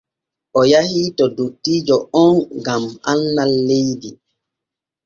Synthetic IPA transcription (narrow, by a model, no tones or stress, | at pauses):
ʔɔjahiːtɔdotːiːd͡ʒɔɔnɡamanːalːejdi